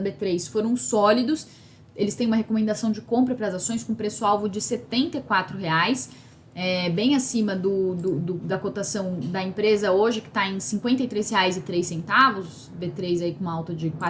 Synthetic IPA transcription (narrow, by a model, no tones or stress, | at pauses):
bet̪ɾejsfoɾɐ̃w̃sɔlid̪ʊs | elɪst̪ẽj̃ũmɐɦekomẽnd̪asɐ̃w̃d͡ʒɪkõmpɾɐpɾɐzasõj̃skõpɾesʊawvʊd͡ʒɪset̪ẽnt̪ɐkwat̪ɾʊɦeajs | ɛbẽj̃asĩmɐd̪ʊd̪ʊd̪ʊd̪ɐkot̪asɐ̃w̃d̪ɐẽpɾezɐoʒɪkɪ̥t̪aẽj̃sĩŋkwẽnt̪ɐijt̪ɾejsheajzɪt̪ɾejsːẽnt̪avʊs | bet̪ɾejzaikõawt̪ɐd͡ʒɪkwa